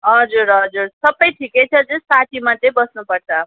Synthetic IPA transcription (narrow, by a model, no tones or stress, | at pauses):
ɦʌd͡zuɾɦʌd͡zuɾsʌbʌjʈʰikejt͡sʰʌt͡sũsaʈimad̪ebʌsnupʌrt͡sʰʌ